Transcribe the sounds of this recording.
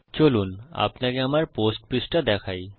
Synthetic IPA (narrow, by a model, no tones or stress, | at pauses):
t͡ɕoluna̰pnakeamaɾposʈpisʈad̪ɛkʰaj